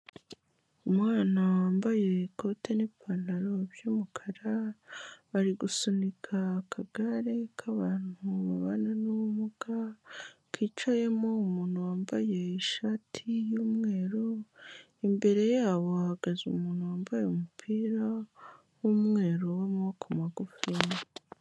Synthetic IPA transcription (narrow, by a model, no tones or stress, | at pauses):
umwaːnawaːmbaje̞ko̞te̞nepʰanaɾo̞bjuːmukʰaɾa | βaɾiɡusunikʰakʰaɡ̥aɾe̞kʰaβaːn̥huβaβanenuwumuɡa | kit͡ʃaje̞mo̞umuːn̥huwaːmbaje̞iʃaːtʰijuːmŋe̞ːɾo | imbe̞ɾe̞jaːβo̞ahaɡazṵmuːn̥huwaːmbajmupʰiːɾa | wumŋe̞ːɾowomuokomaɡufima